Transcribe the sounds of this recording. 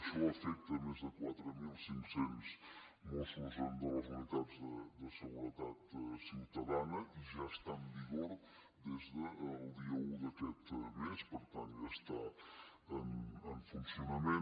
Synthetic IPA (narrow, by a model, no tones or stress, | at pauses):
ʃɔəfɛk̚t̪əmezðəkwat̪ɾəmilˠsiŋksɛns | mosuzand̪ələzmək̪adzðəd̪əsəɣuɾət̪at̪siwt̪əðanəʔiʒaəst̪aəmbiɣoɾ | d̪ezðəlˠd̪iəud̪əkɛt̪mespəɾt̪anʒast̪a | ənəɱfunsiunəmen